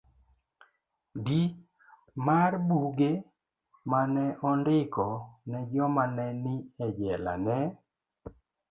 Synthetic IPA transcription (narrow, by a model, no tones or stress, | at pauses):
di | marbuɡe | manɛʔɔndɪkɔnɛd͡ʒɔmanɛnɪɛd͡ʒɛla̰nɛ